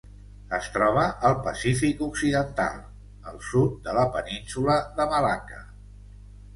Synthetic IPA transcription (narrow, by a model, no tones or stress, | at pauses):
əst̪ɾɔβ̞əʔəlˠpəsifikuksiðənt̪a̰lˠ | əlˠsut̪̚d̪ələpəninsuləðəβəlakə